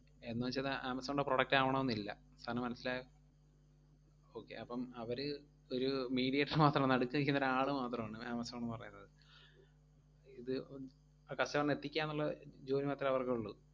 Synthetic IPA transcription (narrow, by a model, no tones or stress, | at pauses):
e̞nːuʋɐt͡ɕːɐðɨʔaːmɐsɐmuɳɽɖeproɽɐk̚ʈaːʋɐɳɐ̃monːilːɐ | st̪ʰaːnɐmːɐnɐsːilaːj | o̞ːkːe̞̰ʔɐpːɐmɐʋɐɾɨ | o̞ɾumiːɽijeʈːɐɾmaːt̪rɐmnɐɽukːuŋɡɐjinːɐɾeaːɭɨmaːt̪rɐmaːɳɨaːmɐsɐmɐɳːɨpɐrɐjːunːɐðɨ | iðɨ | aːkɐsɐʋɐɳːe̞t̪ːikʲːaːnːuɭːɐd͡ʑoːnimaːt̪ːilɐʋɐrkeuɭːu